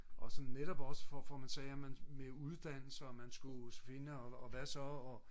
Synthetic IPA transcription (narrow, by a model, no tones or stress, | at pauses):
ʔɒ̽sɒ̽nneɾ̥ɒb̥ɒ̽səfɒfɒmænsɛːæmænmeuð̞ˠd̥æn̰l̩sɐɒmːænsɡ̥ufe̝nəɒɒʋæsɒ̽ɒ